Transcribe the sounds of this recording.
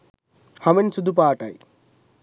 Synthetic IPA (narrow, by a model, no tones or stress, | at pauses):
hɐmensud̪ʱup̬aːʈa̰j